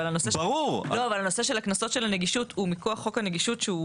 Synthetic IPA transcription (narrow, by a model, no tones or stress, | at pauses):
alano̞seʁuʁlo̞avalano̞se̞ʃe̞laknaso̞t̪ʃe̞laneɡiʃutumikoaχːo̞khaneɡiʃutʃeu